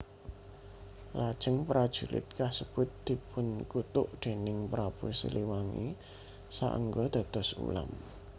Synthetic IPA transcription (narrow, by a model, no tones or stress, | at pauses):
lad̥ʒ̥ə̤ŋpɾad̥ʒ̥ṳlʔɪ̰t̪̚kahsəb̥ʊ̤t̪̚d̪̥i̤pʰʊnkut̪ʊʔd̪̥e̤nɪŋpɾapusḭliwaŋḭ | sa̰ʔə̰ŋɡɔd̪̥a̤d̪̥ɔ̤sṵla̰m